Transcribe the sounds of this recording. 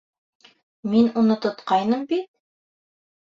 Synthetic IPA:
minunɤt̪ŏt̪qɑjnɤmbit̪̚

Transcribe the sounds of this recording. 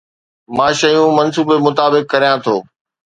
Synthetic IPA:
mãːʃɐjũmɐnsuːbemʊt̪aːbɪkːɐɾijãt̪ʰoː

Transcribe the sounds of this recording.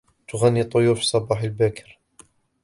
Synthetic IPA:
t̪ʊɣanːit̪ˤːojuːɾfi̥sˤɑbɑːħəlbækəɾ

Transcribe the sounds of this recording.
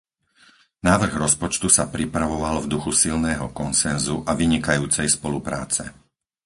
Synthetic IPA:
naːʋr̩ɣɾɔspɔt͡ʃt̪usapɾipɾaʋɔʋalvd̪uxusilnɛːɦɔ̰kɔnsɛnzuʔaʋiɲikajuːt͡sɛjspɔlupɾa̰ːt͡sɛ̰

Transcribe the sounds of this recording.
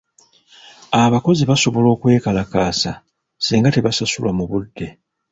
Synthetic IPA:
aβako̞ziβaso̞βo̞lo̞ːkwe̞ːkalakaːsa | siːŋɡate̞βasasulwamuβudːe̞

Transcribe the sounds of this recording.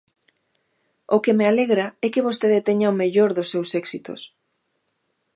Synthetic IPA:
okemealeɣɾaɛkɪβ̞ost̪eðet̪eɲaomeʎoɾðʊsːewsɛksit̪o̰s

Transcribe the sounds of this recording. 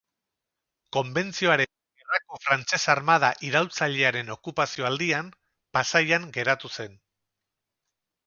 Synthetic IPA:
ko̞mbe̞nt͡sio̞aɾe̞n | erako̞fɾant͡se̞saɾmað̞aʔiɾawlt͡saʎe̞aɾe̞no̞kupasio̞ald̪iam | pasajaŋɡe̞ɾat̪use̞n

